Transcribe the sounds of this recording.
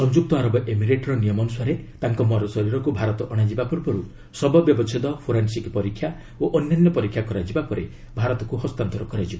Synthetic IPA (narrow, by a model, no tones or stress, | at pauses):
sɔnd͡ʒuk̚t̪ɔaɾɔbɔʔemiɾeʈɾɔnijɔmɔnusaɾet̪aŋkɔmɔɾɔsɔɾiɾɔkubʱaɾɔt̪ɔʔɔɽ̃ad͡ʒibapɔɾpɔɾu | sɔbɔbjɔbɔt͡ʃʰid̪ɔpʰoɾensikpɔɾikʰːja | oʔɔnjanjɔpɔɾikʰjakɔɾad͡ʒibapɔɾe | bʱaɾɔt̪ɔkuɦɔst̪ant̪ɔɾɔkɔɾad͡ʒiba